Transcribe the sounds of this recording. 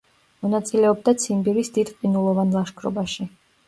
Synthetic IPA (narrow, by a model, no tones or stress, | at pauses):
mɔnat̪sʼilɛɔb̚d̪at̪sʰimbiɾisd̪id̪qʼinulˠɔvanlˠaʃkʰɾɔ̰baʃi